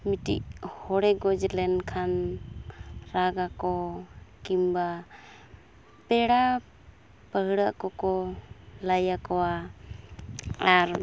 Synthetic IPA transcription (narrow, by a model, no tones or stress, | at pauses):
mitḭʔhɔɽɛɡɔd͡ʒlɛnkʰan | ɾaɡakɔkimba | pɛɽa | pəɦɽaʔkɔkɔlajakɔwa | aɾ